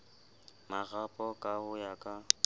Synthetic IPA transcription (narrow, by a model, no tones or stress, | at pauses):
maɣapʼɔkʼahʊjakʼa